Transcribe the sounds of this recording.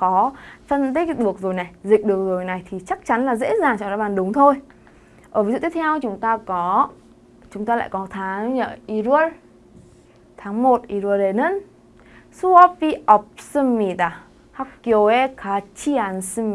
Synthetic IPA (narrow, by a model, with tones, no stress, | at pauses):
kɔ˨˦fə˧nt̪̬i˦˥k̚ɗɨ˨˩ək̚zo˨˩jna˨˩jzï˨˩k̟̚ɗɨ˨˩ək̚zo˨˩jna˨˩jt̪ʰi˨˩t͡ɕa˦˥k̚t͡ɕa˨˦nlaː˨˩zḛ˧˥zaː˨˩ŋt͡ɕɔ˧˦˨ɗɔ̰˧˦ɓaː˨˩nɗʊ˨˦ŋ͡mt̪ʰo˧j | ʔəː˧˩vi˨˦zṵ˧˨t̪i˦˥˦t̪ʰɛ˧wt͡ɕʊ˨˦ŋ͡mt̪aː˧kɔ˨˦ | t͡ɕʊ˨˦ŋ͡mt̪aː˧la̰ː˧˨jkɔ˨˦t̪ʰaː˨˦ŋɲə̰ː˧˨ʔi˧zu˧ən | t̪ʰaː˨˦ŋmo˨˩t̚ʔi˧zu˧ɗe˧nə˧˥n | su˧ɔ˧pi˧ʔɔ˨˩p̚sə˧mːi˧˩t̪a˨˩ | ha˦k͡pki˧o˧˩ɛ˧kʰaː˨˦t͡ɕi˧a˨˩nsi˧m